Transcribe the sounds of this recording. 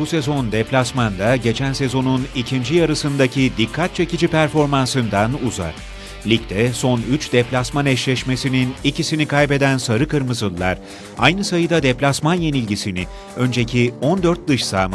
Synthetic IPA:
buse̞zo̞nd̪ɛplʲasmand̪aɟe̞t͡ʃʰænse̞zo̞nunicʰind͡ʒijaɾɯsɯnd̪acʰid̪ikʰːat̪̚t͡ʃʰe̞cid͡ʒipʰæɾfo̞ɾmansɯnd̪anuza̰ɾ̥ | lʲic̚t̪ʰɛso̞nyt͡ʃd̪ɛplʲasmanɛʃlʲɛʃmesininicʰisinikʰajpe̞d̪ænsaɾɯkɯɾmɯzɯlˠːaɾ | a̰jnɯsajɯd̪ad̪eplʲasmanje̞nilʲɟisini | ø̞nd͡ʒe̞cʰio̞nd̪ø̞ɾt̪̚d̪ɯʃsaːma

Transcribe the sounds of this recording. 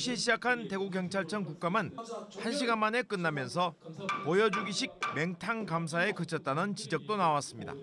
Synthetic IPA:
ɕʰieɕʰid͡ʑakʰante̞ɡuɡjʌŋt͡ɕʰaɭt͡ɕʰʌŋkuk̚k͈amɯnhanɕʰiɡanmane̞k͈ɯnːamjʌns̬ʰʌpʌjʌd͡ʑuɡiɕʰik̚me̞ŋtʰaŋkams̬ʰae̞kɯt͡ɕʰʌt̚t͈anɯnt͡ɕid͡ʑʌk̚t͈onawas͈ɯmɲida̰

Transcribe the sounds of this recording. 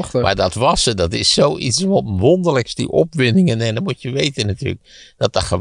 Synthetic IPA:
mʔa̰ːɹdɑtʋɑsədɑtɪsːowʔḭtsʋɔʋɔndələksdḭʔɔpʋɪnɪŋənɛndɑmutəʋejtənaty̰ːlək̚d̥ɑt̚dɑχə

